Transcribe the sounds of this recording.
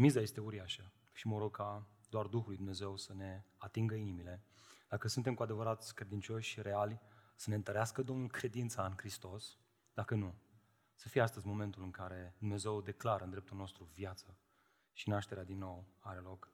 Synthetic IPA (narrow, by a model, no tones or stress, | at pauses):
mizaje̞st̪e̞uɾiaʃə | ʃiməɾo̞ɡ̚kʰa | d̪oard̪uxulujd̪umne̞ze̞wsəne̞at̪iŋɡəinimile̞d̪̥akəsunt̪e̞mkuad̪e̞vəɾat̪kɾe̞d̪int͡ʃo̞ʃʲʃiɾe̞alʲsəneɨnt̪əɾeaskəd̪o̞mnulkɾe̞d̪int̪saɨnkɾist̪o̞s | d̪̥akənu | səfijeast̪əzʲmo̞me̞nt̪ulɨŋkaɾe̞d̪umne̞ze̞wd̪e̞klaɾənd̪ɾe̞p̚t̪ulno̞st̪ɾuvjat̪sə | ʃinaʃt̪e̞ɾead̪inːo̞waɾe̞lo̞k